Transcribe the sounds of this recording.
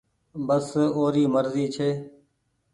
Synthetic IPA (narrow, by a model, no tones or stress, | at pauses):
bəsoːɾiːməɾziːt͡ʃʰeː